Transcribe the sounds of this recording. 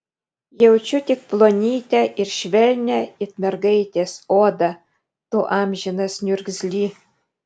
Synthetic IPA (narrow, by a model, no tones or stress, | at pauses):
jɛʊt͡ʃʲʊt̪ʲɪk̚plˠoːnʲiːt̪ʲæʔɪɾʃʲʋʲɛlʲnʲæɪt̪mʲɛɾɡɐɪt̪ʲeːsoːd̪ɐ | t̪oːʔɑːmʲʒʲɪnɐsnʲʊɾʲɡzʲlʲiː